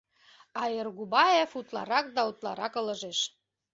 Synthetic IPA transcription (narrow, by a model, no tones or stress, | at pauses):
ɑerɣubɑjefut̪lɑ̰ɾɑk̚d̪ɑut̪lɑ̰ɾɑkɤ̆lə̆ʒeʃ